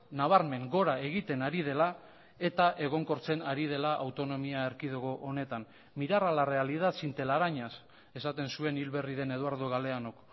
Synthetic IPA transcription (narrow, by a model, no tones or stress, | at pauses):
naβ̞aɾme̞ŋɡo̞ɾae̞ɣ̞it̪e̞naɾið̞e̞la | e̞t̪aʔe̞ɣ̞o̞ŋko̞ɾt͡se̞naɾið̞e̞laʔawt̪o̞no̞miaeɾkiðoɣoʔːne̞t̪an | miɾaralare̞aliðat̪sint̪e̞laɾaɲas | e̞sat̪e̞nsue̞nilβe̞riðe̞ne̞ðuaɾð̞oɣale̞ano̞k